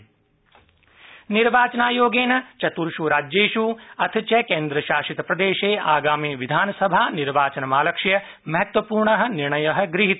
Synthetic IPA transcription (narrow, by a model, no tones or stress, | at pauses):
niɾʋaːt͡ʃɐnaːjoːɡeːnɐt͡ʃɐt̪uɾʃuɾaːd͡ʒjeːʃuːɐt̪ʰit͡ʃɐkeːnd̪ɾɐʃaːʃit̪ɐpɾɐd̪eːʃeːaːɡaːmiːʋid̪ʱaːnɐsɐbʱaːniɾʋaːt͡ʃɐnɐmaːlɐkʂjɐ | mɐɦɐt̪ʋɐpuːɾɳɐɦɐ̆niɾɳɐjɐɦɐ̆ɡɾiɦit̪